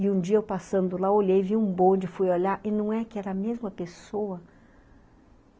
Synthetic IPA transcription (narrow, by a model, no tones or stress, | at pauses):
ɪũd͡ʒiɐewpasɐ̃nd̪ʊlaoʎejviũbõd͡ʒɪfujoʎaɾʔɪnɐ̃w̃ɛkɪɛɾɐmezmɐpesowɐ